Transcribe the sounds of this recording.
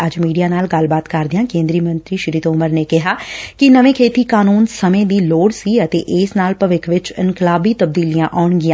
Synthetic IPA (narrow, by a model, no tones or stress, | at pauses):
əd͡ʒmiːɖijaːnaːlɡəlbaːt̪kəɾd̪ɪãːkẽːnd̪ɾiːmənt̪ɾiːʃɪɾiːt̪oːməɾneːkɪɦaːkɪnəʋẽːkʰeːt̪iːkaːnuːnsəmẽːd̪iːloːɽsiːət̪ḛːʔɪːsnaːlpəʋɪkʰʋɪt͡ʃɪŋkɪlaːbiːt̪əb̚d̪iːlijãːʔɔːɳɡɪãː